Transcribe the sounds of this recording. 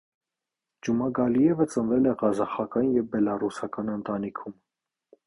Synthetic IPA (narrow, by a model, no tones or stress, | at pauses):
d͡ʒumɑɡɑlijɛvət͡sənvɛlɛʁɑzɑχɑkɑnjɛvbɛlɑrusɑkɑnənt̪ɑnikʰum